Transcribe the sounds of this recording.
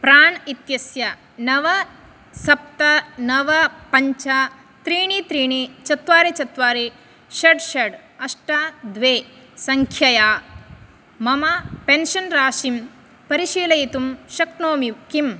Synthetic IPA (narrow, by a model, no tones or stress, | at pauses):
pɾaːɳit̪jɐsjɐ | nɐʋɐ | sɐp̚t̪ɐnɐʋɐpɐɲt͡ʃa | t̪ɾiːɳit̪ɾiːɳit͡ʃɐt̪ʋaːɾet͡ʃɐt̪ʋaːɾe | ʃɐɖʃɐɖɐʂʈad̪ʋeː | sɐŋkʰjɐjaː | mɐmɐpenʃɐnɾaːʃim | pɐɾiʃiːlɐjit̪umʃɐknoːmikim